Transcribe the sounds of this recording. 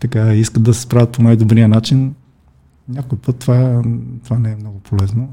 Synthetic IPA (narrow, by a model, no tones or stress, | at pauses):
t̪ɐkaiskət̪̚d̪ɐsɛ̥spɾavʲət̪ponajd̪obɾiənat͡ʃin | nʲakojpɤt̪ːovat̪ovanɛɛmnɔɡʊpʰolɛzno